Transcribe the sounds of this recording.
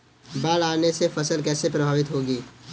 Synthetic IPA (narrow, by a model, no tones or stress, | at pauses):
baːlaːnesefʰəsəlkɛːsepɾɐbʱaːʋɪt̪ɦoːɡiː